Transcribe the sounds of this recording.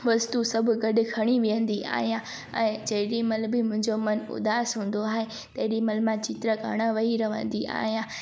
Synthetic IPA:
ʋɐst̪usɐbʱʊɡɐɖɪ̆kʰɐɽ̃iʋijə̃nd̪iʔa̰ːɦijã | ɛ̰̃ːd͡ʑɐɦɪɗimɐlbɪmʊ̃ɦɪ̃ɲd͡ʑomɐnʊ̰d̪aːsɦũːn̆d̪oaːɦe | t̪ɐɦɪɗimɐlmãt͡ɕɪt̪ɾəɡʱɐ̰ɽ̃əʋɐɦiɾɐʋə̰̃nd̪iʔa̰ːɦijãː

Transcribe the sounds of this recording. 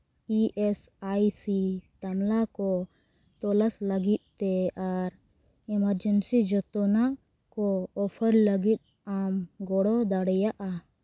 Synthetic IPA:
iʔɛsajsit̪amlakɔ | t̪ɔləsləɡit̪̚ˀt̪ɛaɾ | ɛməɾd͡ʒənsid͡ʒɔt̪ɔna | kɔːpʰəɾləɡit̪̚ˀ | amɡɔɽɔd̪aɽɛjaʔa

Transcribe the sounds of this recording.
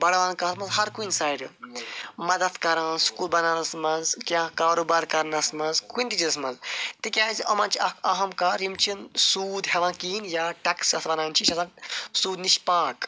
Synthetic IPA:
bɐɽɐʋaːnkɐt̪mɐzɦɐɾkunsaːjɖɨ | mɐd̪ɐt̪kɐɾãːnsu̥kuːlbɐnaːnɐsmɐzkʲjãːkaːɾoːbaːɾkɐɾnɐsmɐzkuinʲt̪it͡ʃiɐsmɐnzt̪ikʲjãːziʔɐmãːnt͡ʃʰiɐkʰɐɦɐmkaːɾimt͡ʃʰinsuːd̪ɦɛʋãːkiːnjaːʈɐksɐt̪ʰbɐnaːnt͡ʃʰiʃɐzãːnsuːd̪niʃpaːk

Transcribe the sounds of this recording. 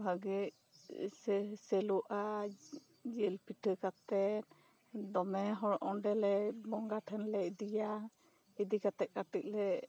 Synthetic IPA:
ɦaɡɛc | ssɛluʔa | d͡ʒilpʰiʈʰəkat̪ɛt̪ | d̪ɔmɛɦɔɽʔɔɖɛlɛbɔŋɡaʈʰɛnlɛid̪ija | id̪ikat̪ɛʔ̚kaʈik̚lɛ

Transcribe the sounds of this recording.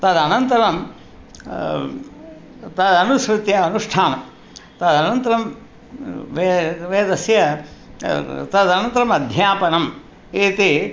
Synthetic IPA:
t̪ɐd̪ɐnɐnt̪ɐɾɐm | t̪ɐd̪ɐnusɾut̪jɐɐnuʂʈʰaːnɐm | t̪ɐd̪ɐnɐnt̪ɐɾɐm | ʋeʋeːd̪ɐsjɐ | t̪ɐd̪ɐnɐnt̪ɐɾɐmɐd̪ʱjaːpɐnɐm | iːt̪i

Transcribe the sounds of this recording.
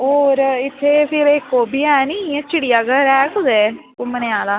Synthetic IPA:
ɦoːɾɪt̪ʰːeːpʰɪɾekːoːbiːɛːnit͡ʃɪɽɪjaːɡəɾɛːkʰʊzeː | kʊməneaːlaː

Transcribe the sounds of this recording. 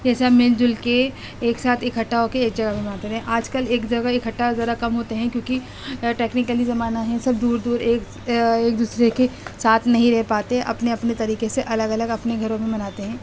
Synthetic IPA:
d͡ʒɛːsamɪld͡ʒʊlke | eːksaːt̪ʰɪkʰɐʈːaːokeːkd͡ʒɐɡabẽmɐnaːt̪eɦɛ̃ʔaːd͡ʒkəleːkd͡ʒɐɡaɪkʰɐʈːaozɐɾakɐmɦoːt̪eɦɛ̃kjõːki | ʈeːknɪkəlizɐmaːnaɦɛ̃sɐb̚d̪uːɾd̪uːɾeːk | eːk̚d̪uːsɾekesaːt̪ʰnɐɦĩɾɛɦpaːt̪eɦɛ̃ʔɐ̰pneɐpnet̪ɐɾiːkeseʔɐləɡɐləɡɐpneɡʱɐɾõmẽmɐnaːt̪eɦɛ̃ː

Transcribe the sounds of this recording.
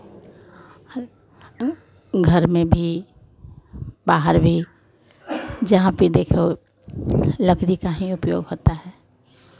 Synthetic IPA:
ɡʱəɾmẽbʱi | baːɦəɾbʱi | d͡ʒɐɦãpid̪eːkʰo | ləkɾikaɦĩʊpjo̰ːɡɦoːt̪aɦɛː

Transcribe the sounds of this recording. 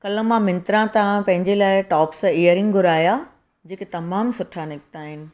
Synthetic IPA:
kɐlə̆mãmɪ̃nt̪ɾãt̪ãpɐ̃ɦɪ̃ɲd͡ʑelaːɪʈɔːpseːəɾɪ̃ŋɡɡʱʊɾaːija | d͡ʑeːket̪ɐmaːmsʊʈʰanɪkt̪aːɦɪnɪ̆

